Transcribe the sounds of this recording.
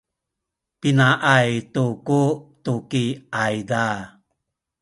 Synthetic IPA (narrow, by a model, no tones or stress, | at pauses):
pinaʔajtukut̪ukiajda